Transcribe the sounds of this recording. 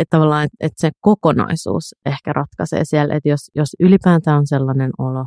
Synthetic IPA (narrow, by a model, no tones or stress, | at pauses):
ett̪ːɑʋɑlːɑːnet̪et̪sekokonɑ̰isṵːsehkærʔɑt̪kɑsḛːsiɛlʔḛt̪josjosylipæːt̪æːonselːɑnenolo